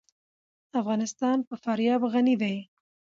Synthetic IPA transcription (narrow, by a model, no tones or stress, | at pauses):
afɣɑnɪst̪ɑnpəfaɾjɑbɣanid̪aj